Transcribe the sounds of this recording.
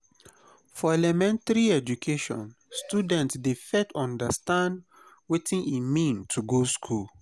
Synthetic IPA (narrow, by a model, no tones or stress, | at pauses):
fɔɛlɛmɛ̃ntaɹiɛd͡ʒukʰeʃɔ̰̃n | stjudɛ̃ntsdefɛtʰɔ̃ndəstãnd | wetĩnimĩntʰuɡoskʰul